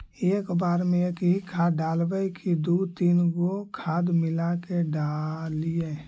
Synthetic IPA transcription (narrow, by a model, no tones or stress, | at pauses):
eːkbaːɾmẽkɦikʰaɖaːlbəkid̪ut̪iːnɡokʰaːd̪mɪlakeɖalie